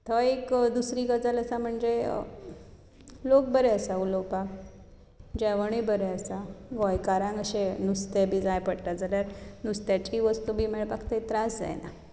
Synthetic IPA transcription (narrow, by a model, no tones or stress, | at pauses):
t̪ʰəekd̪usɾiːɡəd͡zələsam̤əɳd͡zḛ | lok̚bəɾɛəsaulowpak | d͡ʑɛʋəɳ̃ibəɾɛəsaɡɔjkaɾãŋɡəɕenust̪ebʱiːd͡zajpəɽt̪ad͡zalaɾnust̪jat͡ɕiːʋəst̪ubʱiːmeɭpakt̪ʰəit̪ɾasd͡za̰jna̰